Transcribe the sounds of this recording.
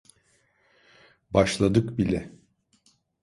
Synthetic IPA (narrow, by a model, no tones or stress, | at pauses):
baʃlˠad̪ɯkbilʲɛ